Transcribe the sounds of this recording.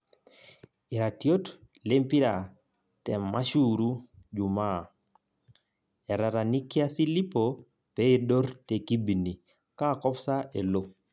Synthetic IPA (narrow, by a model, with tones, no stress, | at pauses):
i˨ɾa˨tjo˦t | le˦mpi˦ɾa˨ | tɛ˨ma˦ʃu˦ɾu˦d͡ʒu˨ma˦ | ɛ˨ɾa˨ɾa˨ni˦kja˦si˦li˦po | pɛ˦i˨do˦ɾte˨ki˦bi˨ni˨ | ka˦˨kɔ˦psa˦ʔe˨lo˦